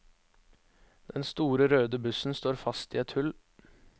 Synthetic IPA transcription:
d̪̥ɛnst̪uːɾəɾøːd̪əbʉsn̩st̪oːɾfɑst̪iːɛt̪hʉl

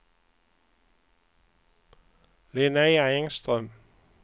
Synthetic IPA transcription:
lɪnæɪæɪŋst̪ʁœm

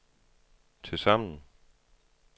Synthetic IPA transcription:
t͡sʰe̝lsɑm̰nn̩

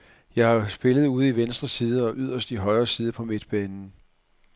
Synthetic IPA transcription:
jɑ̈ɪhɑ̈sb̥e̝lð̞̩ˠuːð̞̩ˠiʋensd̥ʁɐsiːðˠəɒ̽ʔyð̞̰ˠɐsd̥iɦɒ̽ɪɐːsiːð̞ˠəpʰɒ̽me̝d̥b̥ɛːnn̩

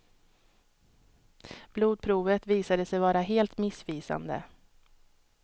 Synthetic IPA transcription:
b̥luːd̪̚pʰɾuːvət̪viːsad̪əsɛjvɑːɾaɦeːlt̪mɪsfiːsa̰nd̪ə̰

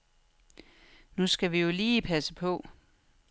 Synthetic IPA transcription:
nusɡ̥æʋijo̝liːpʰæsəpʰɔ̽

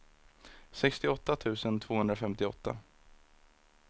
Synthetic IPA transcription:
sɛkst̪ɪɔt̪ːat̪ʰʉ̟ːsənt̪ʰv̥oːhɵnd̪ɾafɛmt̪ɪɔ̰t̪ːa̰

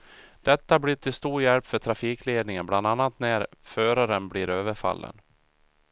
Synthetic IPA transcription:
d̪̥ɛt̪ːabliʈ̪ʰɪlst̪uːɾjɛlpfœʈʰɾafiːkleːd̪nɪŋənbland̪anːat̪næɾføːɾaɾənbliɾøːvəɾfa̰lːə̰n

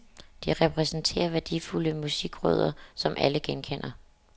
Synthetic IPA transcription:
d̥iʁɛpʰʁɛsn̩t͡sʰe̝̰ːɐʋæɐd̥ḭːfuləmusiɡ̥ʁœ̰ð̞ˠɐsɒ̽mʔæləɡ̥enkʰen̰ɐ

